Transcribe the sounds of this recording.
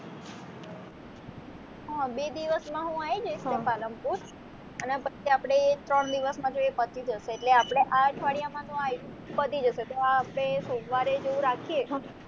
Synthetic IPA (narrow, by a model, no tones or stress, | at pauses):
ɦabed̪iʋəsmãɦũaid͡ʒəjsnepaləmpuɾ | ənepət͡ʃʰiapɽ̃et̪ɾəɳd̪iʋəsmãd͡ʒoepət̪id͡ʒəʃeːʈleapɽ̃eʔaʈʰʋaɽijamãt̪oaj̃ | pət̪id͡ʒəʃet̪oaːpɽ̃esomʋaɾed͡ʒeʋũɾakʰie